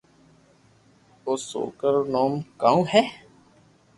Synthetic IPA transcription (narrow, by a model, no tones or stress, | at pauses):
oːso̰ːkəɾonoːmkaũːɦɛː